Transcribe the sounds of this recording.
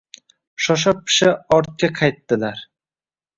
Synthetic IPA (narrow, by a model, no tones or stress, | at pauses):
ʃɒʃ̬ɑp̚ːʰɪ̥ʃaɒɾt̪̚kʲaqʰɑjt̪ːɪlaɾ